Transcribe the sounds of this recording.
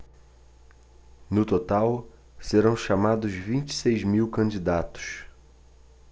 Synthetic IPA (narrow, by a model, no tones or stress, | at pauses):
nʊt̪ot̪aw | seɾɐ̃w̃ʃamad̪ʊzvĩnt͡ʃi̥sejzmiwkɐ̃d͡ʒid̪at̪ʊ̥s